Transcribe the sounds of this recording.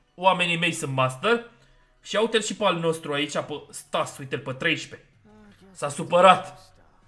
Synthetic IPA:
wame̞nime̞jsunt̪mast̪ər | ʃiawt̪elʃipalno̞st̪ɾuait͡ʃʲapəst̪asujt̪elpət̪ɾejʃpe̞̥ | sasupəɾat̪

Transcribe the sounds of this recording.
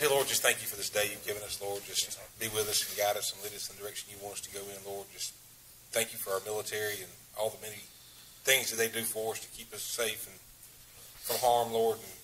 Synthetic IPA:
elɔɹd̚d͡ʒʌst̪θæ̃ŋkjɨfə˞ðɪsd̥eɪjʉvɡɪvɨ̃nʌslɔɹd̚d͡ʒʌsb̥iwɪðʌsn̩ɡɑɾʌsʌ̃m̩liɾɨdsʌ̃mdə˞ɛkʃn̩jɨwɑ̃ntʌstʰɨɡoʊɪ̃nlɔɹd̚d͡ʒʌs | θæ̃ŋkjɨfə˞aə˞mɪlˠətʰɛɹiɨ̃n | ʔɔ̰lˠðəmɛni | θɪ̃ŋzðɨt̪̚ðeɪdɨfə˞ʌstʰɨ̥kʰipʌseɪfn̩ | fʌ̃mhɑɹmlɔɹdn̩

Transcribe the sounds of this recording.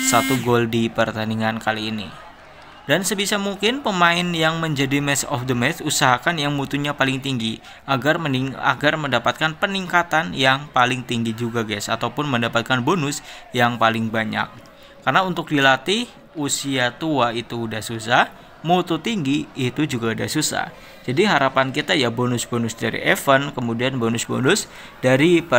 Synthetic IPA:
sat̪uɡoldipərt̪aniŋankaliːnḭ | dansəbisamuŋkɪnpəmaɪnjaŋməɲd͡ʒadimɛsɔ̰fdəmɛt̪usaɦakanjaŋmut̪uɲapalɪŋt̪iŋɡi | ʔaɡarəia̰ɡarməndapat̪̚kanpəniŋkat̪anjaŋpalɪŋt̪iŋɡid͡ʒuɡaɡɛsa̰t̪awpʊnməndapat̪̚kanbonʊsjaŋpalɪŋbaɲa̰k̚ː | arnaunt̪ʊk̚dilat̪ɪh | usiat̪uait̪uːdahsusah | mut̪ut̪iŋɡiːt̪ud͡ʒuɡaudahsusa̰h | d͡ʒadiɦaɾapankit̪ajabonʊsbonʊsdaɾḭʔɛfənkəmudianbonʊsbonʊs | daɾipə

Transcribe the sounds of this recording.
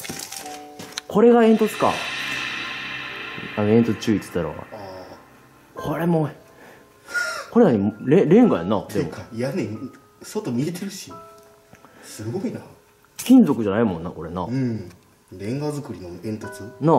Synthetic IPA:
kʰo̞ɾe̞ɡaẽ̞nt̪o̞t͡sɨ̥ka̰ | anoẽ̞nt̪ot͡sɨ̥t͡ɕɨːit͡sɨ̥t̪ːaɾo̰a | kʰo̞ɾe̞mo̞ | ko̞ɾe̞naɲ̟imɾẽɾẽ̞ŋɡaja̰nad̪emojanẽ | sot̪omʲiet̪eɾɯ̟ɕi | sɨɡo̞ina | kʲĩnd͡zo̞kɯ̟ʑanaimõ̞nːako̞ɾe̞naɯ̃ | ɾẽ̞ŋɡazɨkɯ̟ɾʲinoẽ̞nt̪ot͡sɨna

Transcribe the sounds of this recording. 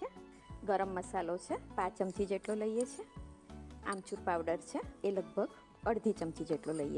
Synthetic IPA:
e | ɡəɾəmːəsalot͡ʃʰepãt͡ʃəmt͡ʃid͡ʒeʈloləijet͡ʃʰe | a̰mt͡ʃuɾpawɖəɾt͡ʃʰeeləɡ̚bʱəɡ | əɽd̪ʱit͡ʃəmt͡ʃid͡ʒeʈloləiḛ

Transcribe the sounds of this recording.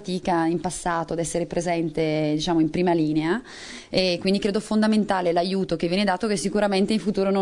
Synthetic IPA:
t̪iːkaimpasːaːt̪oad̪ɛsːeɾepɾezɛnt̪ed̪it͡ʃaːmoimpɾiːmaliːnea | ekwind̪ikɾeːd̪ofond̪ament̪aːlelajuːt̪ok̟evːjɛned̪aːt̪okesːikuɾament̪eiɱfut̪uːɾono

